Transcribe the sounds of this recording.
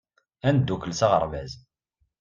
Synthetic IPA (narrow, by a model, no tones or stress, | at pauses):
ænd̪ːukəlsaʁə̰ɾˤvæz